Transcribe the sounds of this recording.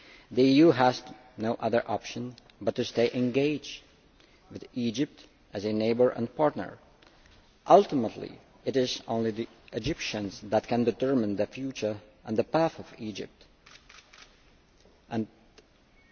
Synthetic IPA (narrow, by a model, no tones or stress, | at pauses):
ðiijuɦəz | noʊʔʌðə˞ʔɑpʃə̃n | bʌtːɨsteɪʔɨ̃nɡeɪd͡ʒ | wɨðid͡ʒɨp̚t | ʔɨzɨneɪbə˞ʔə̰̃npʰɑɹtⁿnə̰˞ | ʔʌlˠtəmətʰˡlḭ | ɨɾɪzõ̰ʊ̃nliði | ʔɨd͡ʒɪpʃɨ̃nzðət̚kɨ̃ndɨtʰɜ˞mɨ̃nðɨfjʉt͡ʃə˞ʔə̃nðəpæθʌvid͡ʒɪ̰p̚t | ʔɨ̃n